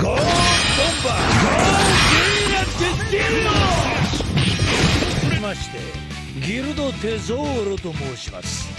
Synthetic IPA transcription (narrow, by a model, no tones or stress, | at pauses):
ɡ̥ot̪õmbaɡokijat̪ːetiɾno | ɾimaɕi̥t̪e̞̰ | ɡʲiɾɯ̟d̪ot̪e̞zoːɾot̪o̞moːɕima̰sɨ̥